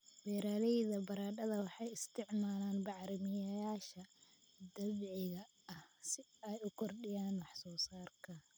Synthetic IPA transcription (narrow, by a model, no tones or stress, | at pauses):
wɛːɾaːlɛjðɐbɐɾaːɖɐðɐwɑħɑjɪst̪ʰɪʕmaːlaːnbɑʕɾɪmɪjɐjaːʃɐ | d̪ɐβʕɪɣɐ | ɐhsɪɛjʊkʰɔrɖɪjaːnwɑħsɔːsaːrkʰɐ